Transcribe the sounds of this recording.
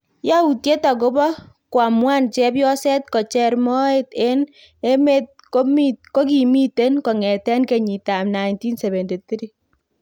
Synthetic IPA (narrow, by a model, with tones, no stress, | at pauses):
ja˦u˨tje˦ta˨k̬o˦bɔ˦ | kwa˨mwa˦nt͡ʃɛ˦pjɔ˦sɛ˦t̚kɔ˨t͡ʃɛ˧ɾmɔ˦e˦te˦n | e˦me˦t̚ | ko˦miko˦ki˨mi˦te˦nkɔ˨ŋɛ˨tɛ˦nke˨ɲi˨ta˨mna˨jnti˦nsɛ˨βe˨nte˨t̪i˦ɾi˦